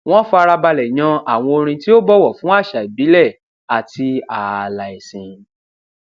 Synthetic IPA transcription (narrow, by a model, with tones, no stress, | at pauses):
w̃ɔ̃˦fɔ˧a˧ɾa˧ba˧lɛ˨j̃ã˧a˨w̃ɔ̃˧o˧ɾ̃ĩ˧ti˦o˦bɔ˦wɔ˦˨fũ˦a˦˨ʃa˨i˨bi˨˦lɛ˦˨ | a˨ti˧a˨la˨i˨sĩ˨